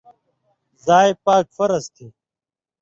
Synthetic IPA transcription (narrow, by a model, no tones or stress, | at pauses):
zaːjpaːkfɐɾɐst̪ʰiː